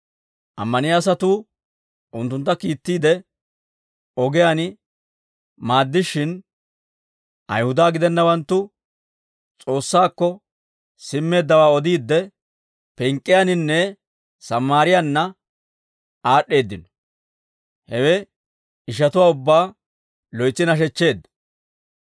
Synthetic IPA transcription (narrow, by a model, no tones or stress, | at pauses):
ʔɐ̰mːɐnɪjaːs̬ɐt̪uː | ʔʊnt̪ːʊnt̪ːɐkiːt̪ːiːd̪ɛ | ɔɡɛjanɪ | maːd̪ːɪʃɪn | ʔɐ̰jhʊd̪aːɡɪd̪ɛnːɐwɐnt̪ːʊ | t͡sʼo̞ːsːaːkːɔ | sɪmːe̞ːd̪ːɐwaːɔd̪iːd̪ːɛ | pɛŋkʼːɪjanɪnːɛ | sɐmːaːɾɪjanːɐ | aːɗːe̞ːd̪ːɪnɔ̥ | hɛwɛ | ɪʃ̬ɐt̪ʊwaːʊbːaː | lɔjt͡sːɪnɐʃ̬ɛt͡ʃːe̞ːd̪ːɐ